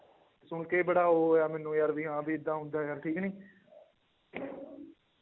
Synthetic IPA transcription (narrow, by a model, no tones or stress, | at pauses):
sʊɳkeːbəɽaːɦoːjaːmɛːnːũːjaɾʋiːɦãːbiːɪd̪ːãːɦʊ̃nd̪aːjaːɾʈʰiːknĩː